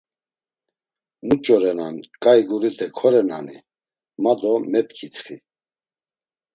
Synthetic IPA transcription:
mut͡ʃʼɔɾɛnankʼajɡuɾid̪ʰɛkʰɔɾɛna̰ni | mad̪ɔmɛpkʰit̪χi

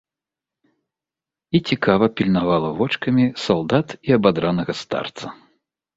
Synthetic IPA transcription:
it͡sʲikavɐpʲilʲnavalˠɐvɔt͡ʂkɐmʲisalˠd̪at̪iɐbad̪ɾanɐɣɐst̪a̰rt̪sɐ

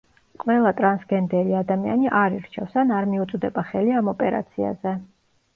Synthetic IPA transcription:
qʼvɛlˠat̪ʼɾansɡɛnd̪ɛɾiad̪amia̰niʔaɾiɾt͡ʃʰɛfsanaɾmiut̪sʼd̪ɛbaχɛliamɔpʼɛɾa̰t̪sʰia̰zɛ

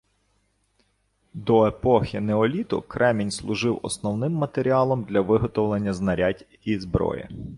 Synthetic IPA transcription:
d̪ɔepɔxʲineɔlʲit̪ʊ̰kɾʔɛmʲinʲslˠʊʒɪwɔ̰snɔwnɪmːɐt̪eɾʲiɑlˠɔmd̪lʲɐʋɪɦɔt̪ɔwlˠenʲːɐznɐɾʲadʲ | izbɾɔ̰jɪ̰

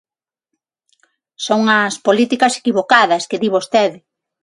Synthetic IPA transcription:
soŋɐspolit̪ikɐse̥kiβokaðɐskeðiβost̪eðɪ

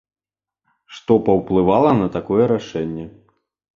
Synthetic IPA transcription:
ʂt̪ɔpɐwplˠɨvalˠɐnɐt̪akɔjɛɾaʂɛnʲːɛ

